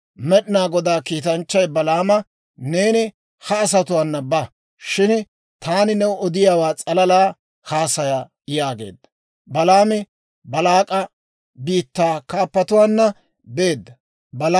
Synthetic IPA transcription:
mɛɗɪnaːɡɔd̪aːkiːt̪ɐnt͡ʃːɐjbɐlaːmɐ | ne̞ːnɪ | hɐːs̬ɐt̪ʊwaːnːɐbɐ | ʃɪn | t̪aːnɪnɛɔd̪ɪjaːwaːt͡sʼɐlɐlaː | haːsɐja | jaːɡe̞̰ːd̪ːɐ̥ | bɐlaːmɛ | bɐlaːkʼɐ | biːt̪ːaːkaːpːɐt̪ʊwaːnːɐ | be̞ːd̪ːɐ | bɐl

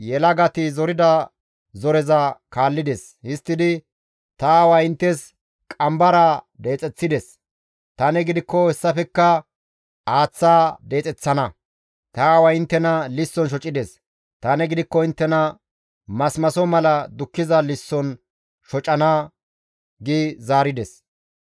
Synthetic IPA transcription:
jɛlɐɡɐt̪ɪzɔɾɪd̪ɐ | zɔɾɛzɐkaːlːɪd̪ɛs | hɪst̪ːɪd̪ɪ | t̪ɐːwɐɪnt̪ːɛs | kʼɐmbɐɾad̪e̞ːt͡sʼɛt͡sːɪd̪ɛs | t̪ɐnɛɡɪd̪ɪkːɔhɛsːɐfɛkːɐ | aːt͡sːaːd̪e̞ːt͡sʼɛt͡sːɐnɐ | t̪ɐːwɐɪnt̪ːɛnɐlɪsːɔnʃ̬ɔt͡ʃʼːɪd̪ɛs | t̪ɐnɛɡɪd̪ɪkːɔɪnt̪ːɛnɐ | mɐsmɐsɔmɐlɐd̪ʊkːɪzɐlɪsːɔn | ʃɔt͡ʃʼːɐnaː | ɡɪzaːɾɪd̪ɛs

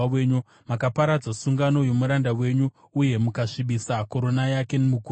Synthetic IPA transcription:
eɲu | makapaɾad͡zasuŋɡano̞jo̞muɾandawe̞ɲuː | je̞mukaʂiɓisako̞ɾo̞najake̞nimuku

